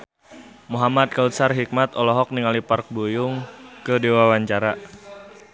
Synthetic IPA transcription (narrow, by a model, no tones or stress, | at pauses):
muɦamad̪̚kausarɦik̚mat̪ɔlɔɦɔk̚niŋalipark̚bujʊŋkədewawaɲt͡ʃaɾa